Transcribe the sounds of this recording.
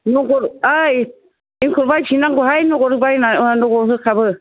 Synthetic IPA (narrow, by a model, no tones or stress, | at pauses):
nɔɡɔɾaj | iŋkʰuɾbajpʰinaŋɡuɦajnɔɡɔɾɯbajnanɔɡɔɦɯkʰabɯ